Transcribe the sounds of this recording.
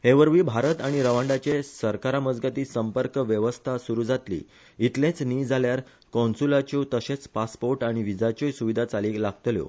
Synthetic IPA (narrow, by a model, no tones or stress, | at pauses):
heʋəɾʋiːbʱaɾət̪aɽ̃iɾəʋãɳɖat͡ɕesəɾkaɾaməd͡zɡat̪iːsəmpəɾkʋjəʋəst̪ʰasuɾuːd͡zat̪lḭː | it̪lẽt͡sniːd͡zaljaɾ | kɔ̃nsulat͡ɕot̪əɕẽt͡spaspoɾʈaɽ̃iʋid͡zat͡ɕosuʋid̪ʱat͡saliːlaɡ̚t̪ljo̰